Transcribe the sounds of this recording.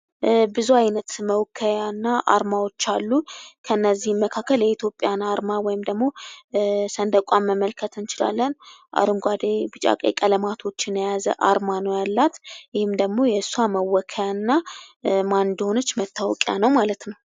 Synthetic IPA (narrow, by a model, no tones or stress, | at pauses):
bɨzuajnət̪məwkʰːəjanːaʔa̰ɾmawo̞t͡ʃːalːukʰəɨnːəzːihmːəkʰakːəljɛit̪ʰjo̞pʼːjanaɾmawɔjɪmd̪əɡmo̞ | sənd̪əkʷʼamːəməlkʰət̪ɨnt͡ʃɪla̰lːənʔa̰ɾɨŋɡʷad̪ebɨt͡ʃʼa̰kʼḛkʼələmat̪ʰo̞t͡ʃːɪnəjazə̰ʔa̰ɾmanəwjalːat̪jɪhɨmd̪əɡmo̞jɛsuaməwːɔkʰəjanːamand̪honət͡ʃːmət̪ʰːawɔkʼja̰nəwmalət̪nəw